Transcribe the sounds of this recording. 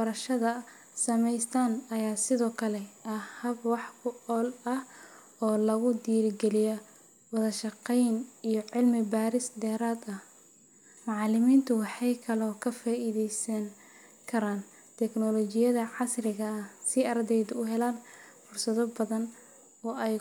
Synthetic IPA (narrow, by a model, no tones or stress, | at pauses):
bɐɾɐʃɐðɐ | sɐmɛjst̪ʰaːnɐjaːsɪðɔːkʰɐlɛɐhɐbwɑħkʰʊɔːlɐh | ɔːlɐɣʊd̪iːɾɪɡɛlɪjɔ | wɑðɐʃɑqɛjnijɔʕɪlmɪbaːɾɪsd̪ɛːɾaːd̪ɐh | mɑʕɑlɪmiːnt̪ʰʊwɑħɑjkʰɐlɔːkʰɐfaːʔiðɛjsɐŋ | kʰɐɾaːn | t̪ʰɛknɔlɔt͡ʃɪjɐðɐʕɑsrɪɣɐɐhsɪɐrd̪ɛjðʊʊɦɛlaːnfʊrsɐðɔbɐðɐn | ɔːɛj